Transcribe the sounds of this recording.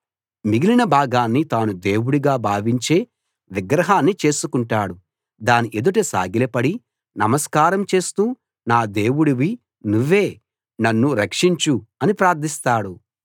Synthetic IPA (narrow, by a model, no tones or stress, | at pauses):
miɡilinɐbʱaːɡaːnːit̪aːnud̪e̞ːwuɽiɡaːbʱaːʋiɲt͡ʃe̞ː | ʋiɡɾɐɦaːnːit͡ʃe̞ːsukuɳʈaːɽu | d̪aːniʔed̪uʈ̬esa̰ːɡilɐpɐɽi | nɐmɐskaːɾɐmt͡ʃe̞ːst̪uː | naːd̪e̞ːwuɽiʋi | nuʋːe̞ː | nɐnːuɾɐkʂiɲt͡ʃuɐnipɾaːɾt̪ʰist̪aːɽu